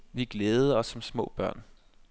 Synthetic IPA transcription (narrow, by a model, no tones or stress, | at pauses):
ʋiɡ̥leːð̩ˠəɒ̽sːɒ̽msmɔ̰̽ːb̥ɶɐ̰n